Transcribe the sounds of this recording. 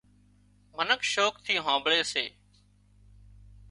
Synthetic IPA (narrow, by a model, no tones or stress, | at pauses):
mənəkʃoːk̚t̪ʰiːɦãːmbɭeːsḛː